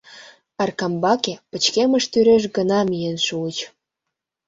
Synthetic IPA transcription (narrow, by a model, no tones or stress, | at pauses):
ɑrkɑmbɑkepət͡ɕkeməʃt̪yɾeʃ̬ɡənɑmijenʃuət͡ɕ